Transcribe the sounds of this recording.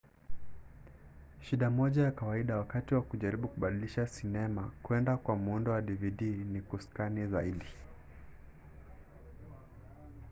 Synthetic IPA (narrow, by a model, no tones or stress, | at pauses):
ʃiɗamɔʄajakawaiɗawakatiwakuʄaɾiɓukuɓaɗiliʃasinɛmakuɛndakwamuundɔwaɗiviɗinikuskanizaiɗi